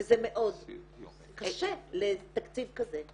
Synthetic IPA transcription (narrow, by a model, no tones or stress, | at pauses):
zemeʔo̞d | kaʃelet̪akt͡sivkaze